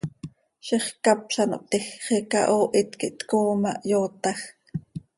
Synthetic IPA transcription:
ʃeχkɑpʃɑno̰ʔt̪ɛxχekɑ̰ʔoːʔit̪kiʔt̪koːmɑ̰ʔjoːt̪ɑx

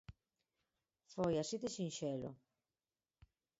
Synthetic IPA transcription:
fojasit̪esinʃelo̰

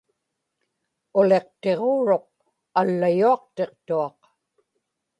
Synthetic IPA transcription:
ʊle̞qt̪e̞ʁoːɻo̞q̚ | alːajuɑqt̪e̞qt̪uɑq

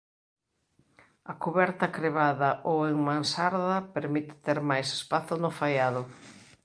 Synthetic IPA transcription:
ɐkuβɛɾt̪ɐkɾeβaðɐʔoweŋmãnsaɾðɐpeɾmit̪ɪ̥t̪eɾmajse̥spaθʊnʊfajaðʊ

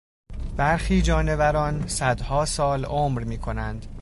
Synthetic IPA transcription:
b̥æɾxiːd͡ʒɒːne̞væɾɒːnsæd̪hɒːsɒːloːmɾmiːkʰo̞nænd̪̥

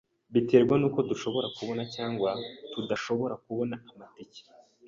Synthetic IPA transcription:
βite̞ːɾɡwanuːko̞duʃo̞βo̞ɾakuβo̞nacaːŋɡwatudaʃo̞βo̞ɾakuβo̞naamatici̥

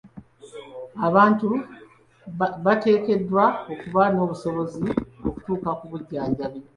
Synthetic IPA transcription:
aβaːntu | βate̞ːke̞dːwao̞kuβano̞ːβuso̞βo̞zio̞ku̥tuːkakuβuɟːaːɲɟaβe

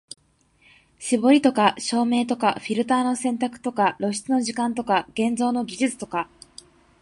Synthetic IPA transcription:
ɕibo̞ɾʲit̪o̞kaɕo̞ːme̞ːt̪o̞kaɸʲiɾɯ̟t̪aːno̞sẽ̞nt̪akɯ̟̥t̪o̞kaɾo̞ɕi̥t͡sɨno̞ʑikãnt̪o̞kaɡ̥ẽ̞nd͡zo̞ːno̞ɡʲiʑɨt͡sɨ̥t̪o̞ka

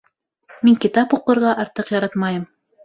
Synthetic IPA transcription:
miŋkit̪ɑpuqːɤ̆ɾʁɑʔɑɾt̪ɤqjɑɾɑt̪mɑjɤm

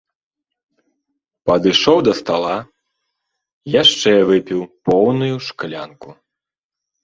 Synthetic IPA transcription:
pɐd̪ɨʂɔwd̪ɐst̪alˠa | jaʂt͡ʂɛvɨpʲiwpɔwnujuʂklʲanku

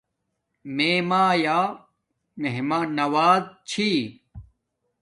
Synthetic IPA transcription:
meːmaːjaː | meɦmaːnɐwaːdt͡ɕʰi

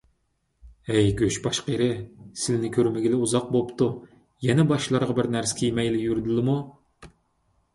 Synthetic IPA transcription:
ɛjɡʲøʃbɑʃqeɾɪsɪlɪnɪkʲʰøɾmɪɡʲilɪuzɑq̚bopt̪u | jɛnɛbɑʃlˠɑɾʁɑbɪɾnæɾsɪ̥kʲʰijmɛjlɪjyɾɪd̪ɪlˠɪmu

